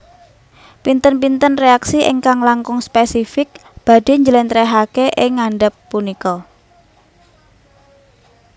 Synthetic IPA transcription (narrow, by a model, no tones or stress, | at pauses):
pint̪ənpint̪ənreaksiʔɪ̰ŋkaŋlaŋkʊŋspesifɪk̚b̥a̤d̥e̤ɲd͡ʒəlɛnt̪ɾeɦakeʔɪŋːaɳɖəpːunikɔ